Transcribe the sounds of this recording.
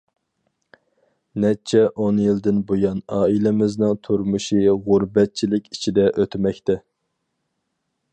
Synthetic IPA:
nɛt͡ʃʰɛʔonjild̪ɪnbojɑnɑːilɪmɪznɪŋt̪ʰuɾmuʃiʁʊɾbɛt̪̚t͡ʃʰilɪkʲi̥t͡ʃʰid̪ɛʔøt̪ʰɪmɛkʲt̪ɛ

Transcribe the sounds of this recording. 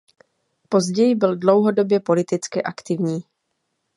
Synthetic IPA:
po̞zɟɛjɪbɪldlo̞wɦo̞do̞bjɛpo̞lɪt̪ɪt͡skɪʔakt̪ɪvɲiː

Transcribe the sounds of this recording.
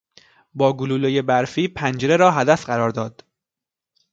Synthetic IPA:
bɒːɡuluːlojebæɾfiːpʰænd͡ʒeɾeɾɒːɦæd̪æfɢæɾɒːɾd̪ɒːd̪̥

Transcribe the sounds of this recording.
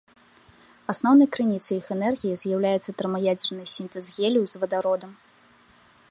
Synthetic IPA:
asnɔwnɐjkɾɨnʲit̪sɨjixɛnɛrɣʲijizʲjawlʲajɛt̪sːɐt̪ɾmɐjad͡zʲɛrnɨjsʲint̪ɨzɣʲelʲijuzvɐd̪aɾɔd̪ɐm

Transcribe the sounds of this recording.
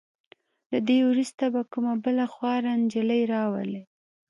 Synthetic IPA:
lad̪ewɾust̪abakumabəlaxwɑɾand͡ʒələjɾɑwa̰le

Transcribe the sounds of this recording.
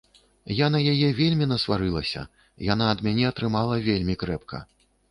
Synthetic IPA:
janɐjajɛvʲelʲmʲinɐsvaɾɨlˠɐsʲɐ̰ | janaɐd̪mʲanʲɛɐt̪ɾɨmalˠɐvʲelʲmʲikɾɛp̚kʰɐ̰

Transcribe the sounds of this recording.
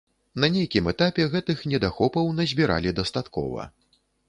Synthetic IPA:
nɐnʲejkʲimɛt̪apʲɛɣɛt̪ɨxnʲɛd̪axɔpɐwnɐzʲbʲiɾa̰lʲid̪ɐst̪at̪kɔ̰vɐ̰

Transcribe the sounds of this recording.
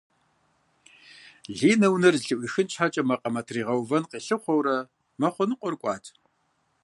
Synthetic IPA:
ɮiːnɐwnɐrɮɨʔʷiːxɨnt͡ʃʰħat͡ʃʼɐmɐqʼɐmɐtʰriːʁɐwvɐnqiːɬɨχʷɔwɾɐ | mɐχʷʊnɨqʷʼɔrkʷʼɑːtʰ

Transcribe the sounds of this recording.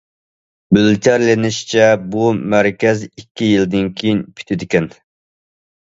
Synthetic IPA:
bylt̪ʰæɾlɪnɪʃt͡ʃʰɛbumæɾkʲɛzikʲːijild̪ɪnkʲʰejinpʰy̥t̪ʰɪd̪ɪkʲɛn

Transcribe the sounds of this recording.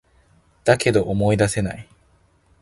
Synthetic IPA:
d̪̥ake̞d̪o̞ʔomo̞id̪ase̞na̰i

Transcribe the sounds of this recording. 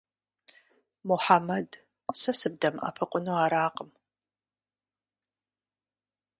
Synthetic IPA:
muħamɐd | sɐsɨb̚dɐma̰ːpʰɨqʷʼʊnuaɾaːqʼəm

